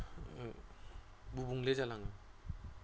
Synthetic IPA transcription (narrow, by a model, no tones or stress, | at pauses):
bubuŋlezalaŋɯ